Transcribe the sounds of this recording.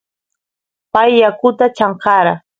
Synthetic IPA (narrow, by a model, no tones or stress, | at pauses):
pajːakʊt̪at͡ʃaɴqɑɾa